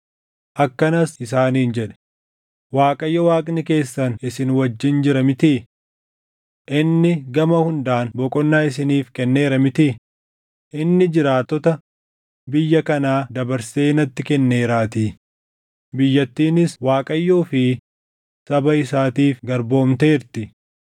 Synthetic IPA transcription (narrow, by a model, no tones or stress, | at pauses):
ʔɐkːɐnɐsɪs̬aːniːnd͡ʒɛᶑɛ̥ | waːkʼɐjːɐwaːkʼnɪke̞ːsːɐnɪsɪnwɐd͡ʒːɪnd͡ʒɪɾɐmɪt̪i | ʔɪnːɪɡɐmɐhʊnd̪aːnbɔkʼɔnːaːɪs̬ɪniːfkɛnːe̞ːɾɐmɪt̪ɪ | ʔɪnːɪd͡ʒɪɾaːt̪ːɔt̪ɐ | bɪjːɐkɐnaːd̪ɐbɐɾseːnɐt̪ːɪkɛnːe̞ːɾaːt̪iː | bɪjːɐt̪ːiːnɪswaːkʼɐjːoːfɪ | sɐbɐɪsaːt̪iːfɡɐɾbo̞ːmt̪e̞ːɾt̪ɪ